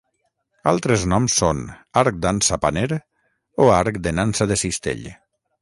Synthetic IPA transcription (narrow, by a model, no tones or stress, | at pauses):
a̰lˠt̪ɾeznɔmsːonaɾk̚d̪ansapaneɾ | oaɾkd̪enansaðesist̪ḛʎ